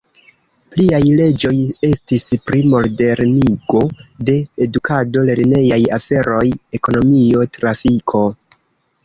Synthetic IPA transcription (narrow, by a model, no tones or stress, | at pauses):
pliajle̞d͡ʒo̞je̞stispɾimo̞lde̞ɾniɡo̞de̞ːdukʰado̞le̞ɾne̞jajafe̞ɾo̞je̞ko̞no̞mio̞tɾafikʰo̞